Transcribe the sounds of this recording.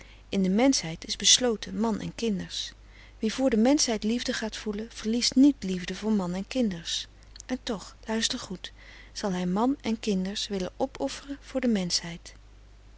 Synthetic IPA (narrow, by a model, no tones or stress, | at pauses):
ɪndəmɛnsɦɛjtɪzbəslowtəmɑnʔɛ̰nkɪndəɹs | ʋivʊːɹdəmɛnsɦɛjtlivdəχaːtfuləv̥əɹlistnitlivdəvʊːɹmɑnɛnkɪndəɹs | ʔɛntɔχlœɥstəɹχut | z̥ɑlˠɦɛjmɑnɛnkɪndəɹsʋɪlə̰ʔɔpʰɔfərənv̥ʊːɹdəmɛnsɦɛjt